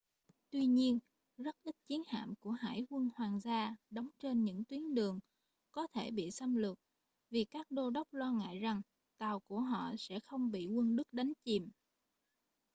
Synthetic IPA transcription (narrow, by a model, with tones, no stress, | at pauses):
t̪wi˧ɲi˧ən | zə˦˥t̚ʔi˦˥t̚t͡ɕi˨˦ənha̰ː˧˨mku˧˩əɦa̰ː˧˩jkwə˧nhwaː˨˩ŋzaː˧ɗə˨˦wŋ͡mt͡ɕe˧nɲɨ̰˧˥ŋt̪wi˨˦ənɗɨ˨˩əŋ | kɔ˨˦t̪ʰe˧˩ɓḭ˧˨sə˧mlɨ˨˩k̚ | vi˨˩kaː˦˥k̚ɗo˧ɗə˦˥wk͡p̚lwaː˧ŋa̰ː˧˨jza˨˩ŋ | t̪a˨˩wku˧˩əɦɔ̰˧˨sɛ̰˧˥xə˧wŋ͡mɓḭ˧˨ŋwə˧nɗɨ˦˥k̚ɗa˨˦jŋ̟t͡ɕi˨˩m